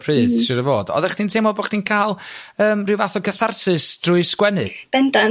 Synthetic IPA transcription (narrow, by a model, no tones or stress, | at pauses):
pʰrɨːθsʃʊɾəvoːdɔ̰ðɛχd̥iːntʰemɔboχd̥iːnkʰaːlˠəːmrɪwvaθɔɡəθarsɨsd̥rʊɨskwɛnɨ̰b̥ɛndɔ